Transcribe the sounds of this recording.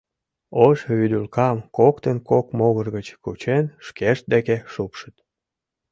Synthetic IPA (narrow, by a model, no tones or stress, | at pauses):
oʃyd̪ylkɑmkokt̪ənkokmoɣərɣət͡ɕkut͡ɕenʃkeʃt̪̚d̪ekeʃupʃət̪